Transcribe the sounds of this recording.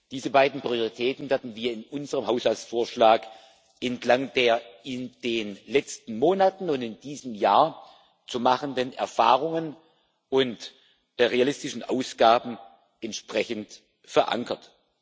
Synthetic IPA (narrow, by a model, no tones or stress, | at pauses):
d̥iːzəbaɪdn̩pʁ̥ioʁitʰɛːtn̩vɛːɐdn̩viːɐɪnʔʊnzəʁəmɦaʊshalt͡sfoːɐʃlaːk | ʔɛntlaŋdeːɐɪnd̥eːnlɛt͡stn̩moːnatn̩ʊntɪndiːzəmjaːɐ | t͡sumaχəndənʔɛ̰ɐfa̰ːʁʊŋən | ʔʊnt | ʁealɪstɪʃn̩ʔa̰ʊsɡ̥aːbm̩ | ɛntʃpʁ̥ɛçən̩t | fɛɐʔa̰ŋkʰɐt